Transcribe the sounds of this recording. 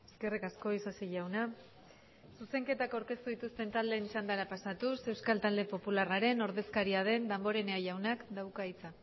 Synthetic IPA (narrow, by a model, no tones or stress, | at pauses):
eske̞rikasko̞isasiʝawna | suse̞ŋke̞t̪akawɾke̞st̪uðit̪ust̪e̞nt̪ald̪e̞nisand̪aɾapasat̪use̞wskalt̪ald̪e̞po̞pularaɾe̞no̞ɾðe̞skaɾiað̞e̞nd̪ambo̞ɾe̞neaʝawnakd̪awkait͡sa